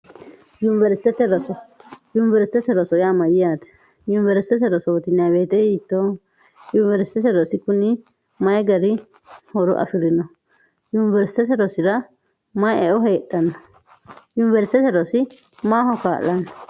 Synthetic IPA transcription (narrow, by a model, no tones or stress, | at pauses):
junɪvɛɾsɪ̥t̪ɛt̪ɛɾɔsɔjʊnɪvɛɾsɪ̥t̪ɛt̪ɛɾɔsɔjaːmɐjɪjaːt̪ɛ̥ | jʊnɪvɛɾsɪ̥t̪ɛt̪ɛɾɔsɔt̪ɪnːɪabeːt̪ɛhiːt̪ːo | junɪvɛɾsɪ̥t̪ɛt̪ɛɾɔsɪkʊnɪ | mɐjɡɐɾɪ | hɔɾʊ̰ʔɐ̰fɪɾɪnɔ | junɪvɛɾsɪ̥t̪ɛt̪ɛɾɔsɪɾɐ | mɐjɛɔɦeːɗːɐnɔ | junɪvɛɾsɪt̪ɛt̪ɛɾɔsɪ | maːhɔkaːlːɐnɔ